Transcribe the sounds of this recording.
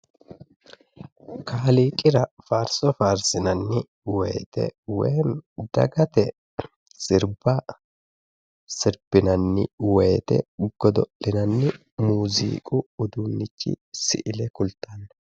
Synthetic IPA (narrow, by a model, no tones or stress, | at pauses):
kaːliːkʼɪɾɐfaːɾsɔfaːɾsɪnɐnːɪ | wɛːt̪ɛ̰wɛːnd̪ɐ̰ɡɐt̪ɛ | sɪɾbɐ | sɪɾb̥ɪnɐnːɪ̰weːt̪ɛ̰ɡ̥ɔd̪ɔʔɪnɐnːɪ | muːzḭːkʼʊʊd̪uːnːɪt͡ʃːɪ̰sɪʔɪlɛkʊlt̪ʰʼɐnːɐ